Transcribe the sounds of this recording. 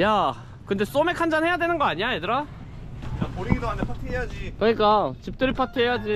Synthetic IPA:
ja | kɯnde̞s͈ome̞kʰand͡ʑanɦhe̞jadwe̞nɯnɡʌaɲiajedɯɾa | japoɾiɡidoant̪ʰepʰatʰɯɦejad͡ʑikɯɲik͈at͡ɕip̚t͈ɯɾipʰatʰɯɦejad͡ʑi

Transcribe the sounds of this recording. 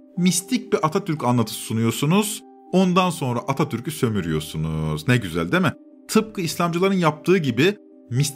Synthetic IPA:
mist̪ʰic̚biʔat̪ʰat̪ʰyɾcanlˠat̪ʰɯ̥sunujoɾsunuz̥ | o̞nd̪anso̞nɾaʔat̪ʰat̪ʰyɾcysø̞myɾijo̞sunuznɛɟyzæ̰lʲd̪emɪ | t̪ʰɯp̚kʰɯislʲamd͡ʒɯlˠaɾɯnjap̚t̪ʰɯːɟibi | mis

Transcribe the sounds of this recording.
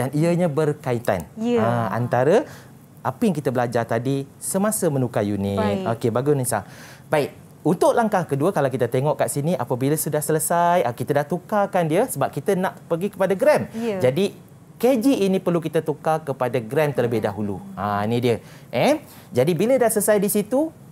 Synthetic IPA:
daniəɲabərkait̪a̰naa̰nt̪aɾə | apəjaŋkit̪əbəlad͡ʒart̪adi | səmasəmənukajuniokebaɡunĩsa̰ | baik̚ | unt̪ʊʔlaŋkahkəduəkalawkit̪ət̪eŋɔʔkaʔsiniʔapəbiləsudahsələsajakit̪ədaht̪ukakandiəsəbap̚kit̪ənaʔpərɡikəpadaɡɾɛmd͡ʒadi | ked͡ʒiʔːnĩpərluk̬it̪at̪ukakəpadaɡɾɛmt̪ərləbɪhdaɦulṵanidiə | ʔɛ | d͡ʒadibilədahsələsajdisit̪u

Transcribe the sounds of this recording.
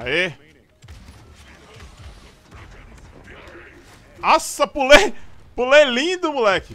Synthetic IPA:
e | asɐpulepulelĩd̪ʊmulɛkɪ

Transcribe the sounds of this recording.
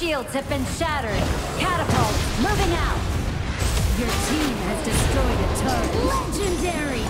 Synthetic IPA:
ʃilˠdz̥ɨvbɨ̃nʃæɾə˞d̚ | kʰæɾəpəlˠmuvɪ̃ŋaʊt̚ | jə˞tʰĩmɨzdɨstɹ̥ɔɪɾɨtʰɜlɛd͡ʒɨ̃ndɛɹi

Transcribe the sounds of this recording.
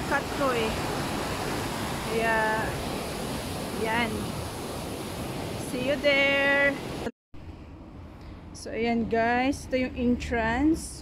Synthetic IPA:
kat̪̚koʔɛ | kɐja | ɐjan | siːjʊd̪ɛɹt̪ɐ | soʔɐjanɡajst̪ojʊŋʔɪntɹans

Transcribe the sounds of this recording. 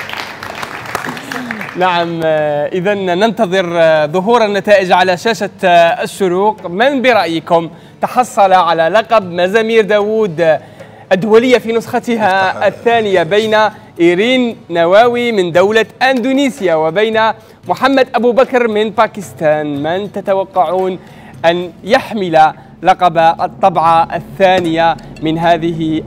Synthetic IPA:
naʕamʔɪðanːɑnt̪ɑðˤɨɾðˤʊɦuːɾˤanːat̪aːʔɪd͡ʒʕalaʃaːʃaʃːʊɾuːqmɪnbɪɾˤɑʔjkʊm | t̪ɑħɑsˤːɑlʕalalɑqɑbmazamiːɾd̪aːwuːd̪ | ʔɪd̪ːʊwælɪjːafinʊsˤxɑt̪ɦaθːaːnɪjabæjna | ʔiːɾiːnːawaːwimɪnd̪awlaʔand̪uniːsjawabajna | mʊħamːad̪ʔabubakɾmɪnpakɪst̪aːnmɪnt̪at̪awɑqːɑʕuːn | ʔanjaħmɪla | lɑqɑbaʔt̪ˤːɑbʕɑθːaːnɪjamɪnɦaːðɪɦ

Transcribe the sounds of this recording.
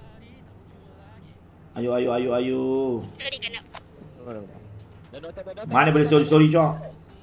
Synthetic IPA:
ajuajuajuaju | manɛbəlisoɾisoɾit͡ʃɔʔ

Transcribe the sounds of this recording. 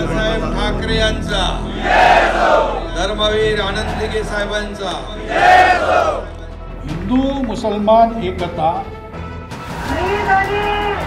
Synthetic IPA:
sajəmʈʰakɾijãnt͡sa̰ | d̪ɐɾməʋiːɾaːnənd̪iɡesajbant͡sa | ɦind̪umusəlmanɦekət̪a | i

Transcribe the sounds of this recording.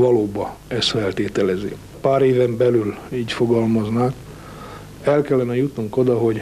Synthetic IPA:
vɒloːbɒ | ɛst̪fɛlt̪eːt̪ɛlɛzi | paːɾeːvɛmbɛlyliːɟfo̞ɡɒlmɒznaːk | ɛlkɛlːɛnɛjut̪nuŋko̞d̪ɒɦo̞ɟ

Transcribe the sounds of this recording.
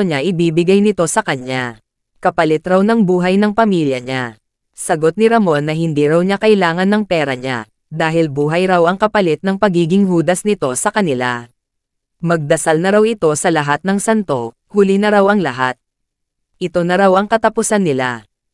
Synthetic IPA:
oɲaʔɪbiːbɪɡajnɪt̪o̞sɐkɐɲa | kɐpɐlɪt̪ɾawnɐŋbuːɦɐjnɐŋpɐmiːljɐɲa | sɐɡo̞t̪̚nɪɾɐmo̞nːɐhɪnd̪iɾawɲakɐʔɪlaːŋɐnːɐŋpɛːɾɐɲa̰ | d̪aːɦɪlbuːɦɐjɾawʔɐŋkɐpɐlɪt̪̚nɐŋpɐɡiːɡɪŋɦuːd̪ɐsnɪt̪o̞sɐkɐnɪla̰ | mɐɡ̚d̪ɐsalnɐɾawɪt̪o̞sɐlɐɦat̪̚nɐŋsɐnt̪o̞ | huːlɪnɐɾawʔɐŋlɐɦat̪̚ | ʔɪt̪o̞nɐɾawɐŋkɐt̪ɐpʊsanːɪla̰

